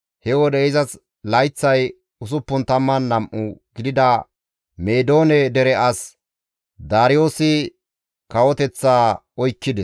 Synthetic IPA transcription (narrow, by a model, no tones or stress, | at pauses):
hɛwɔd̪ɛɪzɐs | lɐjt͡sːɐj | ʊs̬ʊpːʊnt̪ɐmːɐnːɐmʔʊɡ̥ɪd̪ɪd̪ɐ | meːd̪o̞ːnɛd̪ɛɾɛʔɐs | d̪aːɾɪjo̞ːsɪ | kɐwɔt̪ɛt͡sːaː | ɔjkːɪd̪ɛs